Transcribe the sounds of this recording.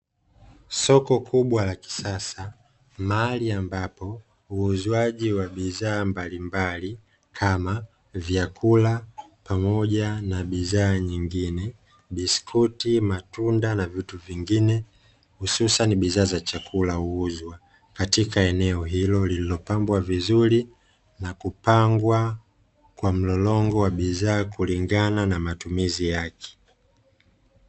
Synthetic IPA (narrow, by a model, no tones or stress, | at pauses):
sɔkɔkʰuɓwalaki̥sasa | maaaliambapɔ | uːzwaʄiwaɓizaːmbalimbali | kʰama | vjakʰulapamɔʄanaɓizaːɲiŋɡinɛ | ɓiskʰutimatundanavituviŋɡinɛ | hususaniɓizaːzat͡ʃakʰulauuzwa | katikaɛnɛɔɦilɔlililɔpambwavizuli | nakupaŋɡwa | kwam̩lɔlɔŋɡɔwaɓizaːkuliŋɡananamatumizijakɛ̥